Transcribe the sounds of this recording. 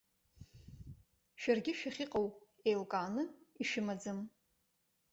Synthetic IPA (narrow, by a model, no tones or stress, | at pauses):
ʃᶣarɡʲɪʃᶣaχʲiqʼaw | ejlkʼaːnɨiʃɪmad͡zɨm